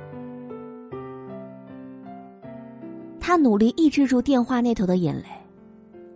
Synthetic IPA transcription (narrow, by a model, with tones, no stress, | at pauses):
t̪ʰa˥nu˨˩li˥˧ʔi˥˧ʈ͡ʂ̩˥˧ʈ͡ʂu˥˧t̪jɛ˥˧nxwa˥˧ne˥˩ɪt̪ʰʊd̪ə˧jɛ̰˨˩nle˥˧˩ɪ